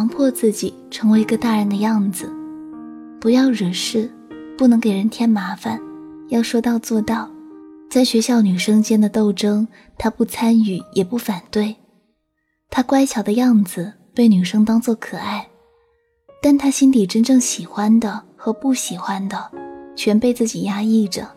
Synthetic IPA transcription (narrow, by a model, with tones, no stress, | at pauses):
ɑ˧˥ŋpʰwɔ˥˧t͡sɹ̩˥˩t͡ɕi˨˩ʈ͡ʂʰɤ˧˥ŋwe˧˥ɪi˧˥ɡə˧t̪a˥˩ɻə˧˥nd̪ə˧jɑ˥˩ŋd͡zɹ̩˩ | pu˧˥jɑ˥˩ʊɻə˨˩ʂɻ̩˥˩ | pu˥˩nɤ˧˥ŋke˨˩ɪɻə˧˥nt̪ʰjɛ˥nma˧˥fa˨˩njɑ˥˩ʊʂwɔ˥t̪ɑ˥˧ʊt͡swɔ˥˧t̪ɑ˥˩ʊt͡sa˥˩ɪɕɥɛ˧˥ɕjɑ˥˩ʊny˨˩ʂɤ˥ŋt͡ɕjɛ˥nd̪ə˨t̪o˥˩ʊʈ͡ʂɤ˥ŋ | t̪ʰa˥pu˥˩t͡sʰa˥ny˨˩jɛ˨˩pu˥˩fa˨˩nt̪we˥˩ɪ | t̪ʰa˥kwa˥ɪt͡ɕʰjɑ˨˩ʊd̪ə˦jɑ˥˩ŋd͡zɹ̩˩ | pe˥˩ɪny˨˩ʂɤ˥ŋt̪ɑ˥ŋt͡swɔ˥˩kʰɤ˨˩a˥˩ɪ | t̪a˥˩nt̪ʰa˥ɕi˥nli˨˩ʈ͡ʂə˥nʈ͡ʂɤ˥˩ŋɕi˨˩xwa˥nd̪ə˨xɤ˧˥pu˥˩ɕi˨˩xwa˥nd̪ə˨t͡ɕʰɥɛ˧˥npe˥˧ɪt͡sɹ̩˥˩t͡ɕi˨˩ja˥i˥˩ʈ͡ʂə̰˩